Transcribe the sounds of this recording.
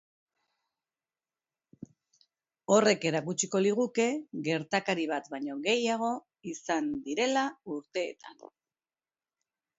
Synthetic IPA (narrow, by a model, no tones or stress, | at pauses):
o̞re̞ke̞ɾakut͡ʃiko̞liɣuke̞ɣe̞ɾt̪akaɾiβ̞at̪baɲo̞ɣe̞jaɣ̞o̞ | isand̪iɾe̞lauɾt̪e̞̰ːt̪a̰n